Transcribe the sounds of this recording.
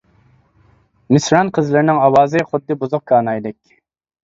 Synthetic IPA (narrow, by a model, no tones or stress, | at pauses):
mɪsɾɑnqʰəzlɪɾɪnɪŋɑwɑːzɨχʊd̪ːɨbuzʊq̚kʰɑːnɑjd̪ɪkʲ